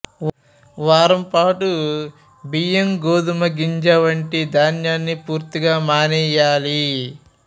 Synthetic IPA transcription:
ʋaːɾɐmpaːʈu | bijɐmɡoːd̪umɐɡiɲd͡ʒɐʋɐɳʈid̪ʱaːnjaːnːipuːɾt̪iɡaːmaːnɛːjaːli

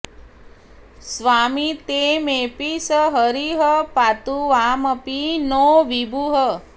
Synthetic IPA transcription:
sʋamit̪emepisəɦəɾiɦəpat̪uʋaməpinoʋibʱuɦə

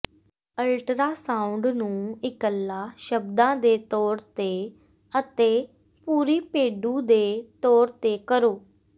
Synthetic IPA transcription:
əlʈɾaːsãːʊɳɖnũːɪkəlːaːʃəbd̪ãːd̪eːt̪ɔːɾt̪eː | ət̪eː | puːɾiːpeːɖũːd̪eːt̪ɔːɾt̪eːkəɾoː

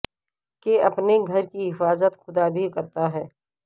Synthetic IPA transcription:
keɐpneɡʱɐɾkiɦɪfaːzət̪xʊd̪abʱikɐɾt̪aɦɛː

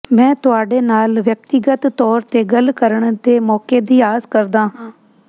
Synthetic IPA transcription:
mɛ̃ːt̪ʊaːɖeːnaːlʋjək̚t̪ɪɡət̪t̪ɔːɾt̪eːɡəlkəɾəɳd̪eːmɔːkeːd̪iːaːzkəɾd̪aːɦãː

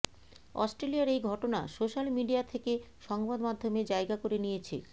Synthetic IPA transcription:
ɔ̰sʈɾeliaɾejɡʱɔʈona̰soʃalmiɖiat̪ʰeke | ʃɔŋbad̪mad̪ʱːomed͡ʑaeɡakoɾenijet͡ɕʰḛ

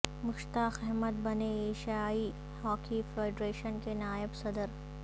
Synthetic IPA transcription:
mʊʃt̪aːxɛɦmət̪bɐneeːʃaːi | hɔːkifɾeɪɖɾeːʃənkenaːɪbsɐd̪əɾ

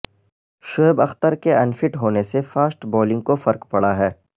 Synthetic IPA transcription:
ʃobɐxt̪əɾkeɐnfɪʈɦoːnesefaːsʈbɔːlɪ̃ŋɡ̚kofɐɾkpɐɽaɦɛː

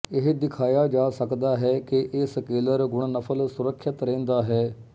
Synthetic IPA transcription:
ɪɦd̪ɪkʰaːjaːd͡ʒaːsəkd̪aːɦɛːkɪʔɪskeːləɾɡʊɳnəpʰəlsʊɾəkʰːjət̪ɾɛ̃ːnd̪aːɦɛː

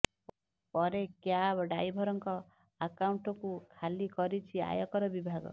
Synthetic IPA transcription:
pɔɾekjabɖajbʱɔɾɔŋkɔ | akawɳʈɔkukʰalikɔɾit͡ʃʰia̰jɔkɔɾɔbibʱaɡɔ̰

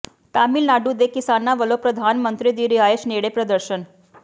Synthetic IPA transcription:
t̪amilnaɖud̪ekisanːaʋəlopɾəd̪ʱanmənt̪ɾid̪iːɾiɦajeɕneɽepɾəd̪əɾʃən

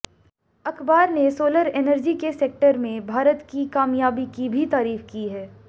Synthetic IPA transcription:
ɐkbaːɾnesoːləɾeːnəɾd͡ʒikeseːk̚ʈəɾmẽbʱaːɾət̪kikaːmjaːbikibʱit̪aːɾiːfkiɦɛː

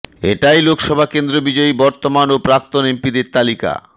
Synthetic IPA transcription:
eʈajlokʃɔbʱakend̪ɾobid͡ʑɔibɔɾt̪omanopɾak̚t̪onempid̪eɾt̪alika̰

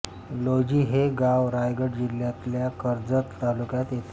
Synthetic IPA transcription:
lod͡ʑiːɦeɡawɾajɡəʈd͡ʑiljat̪ljakəɾd͡zət̪ːalukjat̪et̪

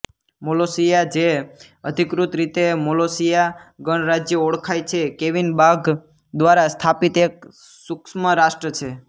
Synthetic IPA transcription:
molosijad͡ʒe | əd̪ʱikɾut̪ɾit̪emolosijaɡəɳ̃ɾad͡ʒjəoɽkʰajt͡ʃʰekeʋinbaɡ | d̪ʋaɾast̪ʰapit̪ek̚ | suksməɾaʃʈɾət͡ʃʰe

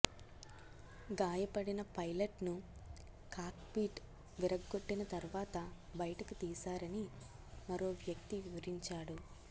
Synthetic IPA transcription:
ɡaːjɐpɐɽinɐpɐjlɐʈnu | kaːkpiːʈ | ʋiɾɐɡːo̞ʈːinɐt̪ɐɾʋaːt̪ɐbɐjɐʈɐkut̪iːsaːɾɐni | mɐɾo̞ːʋjɐk̚t̪iʋiʋɐɾiɲt͡ʃaːɽu

